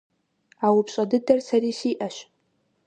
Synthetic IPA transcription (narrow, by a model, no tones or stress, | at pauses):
awʊpɕʼadɨdɐrsaɾiːsiːʔaʃ